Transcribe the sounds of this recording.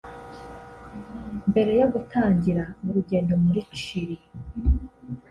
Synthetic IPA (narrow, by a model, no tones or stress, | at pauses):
mbe̞ɾe̞joɡutaːɲɟiɾamuɾuɟe̞ːndo̞muɾiki̥ʃiɾi